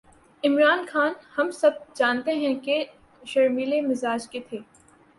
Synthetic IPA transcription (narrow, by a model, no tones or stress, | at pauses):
ɪmɾaːnxaːnhɐmsɐb̚d͡ʒaːnt̪eɦɛ̃ke | ʃɐɾmiːlemɪzaːd͡ʒket̪ʰeː